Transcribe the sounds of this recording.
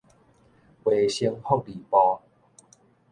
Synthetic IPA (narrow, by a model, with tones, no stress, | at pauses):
we˨˩ɕi˧ŋhɔ˥˦˨k̚li˨˩pɔ˧